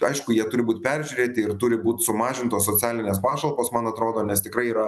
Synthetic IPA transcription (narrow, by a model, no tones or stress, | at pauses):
ɐɪʃkʊjiɛt̪ʊɾʲɪbuːt̪ʲpʲɛɾʲʒʲʊɾʲeːt̪ʲɪɪrt̪ʊɾʲɪbuːt̪ʲsʊmɑːʒʲɪnt̪oːssoːt͡sʲæːlʲɪnʲeːspɑːʃɐlˠpoːsmɐnɐt̪ɾoːd̪oːnʲɛst̪ʲɪkɾɐɪiːɾɐ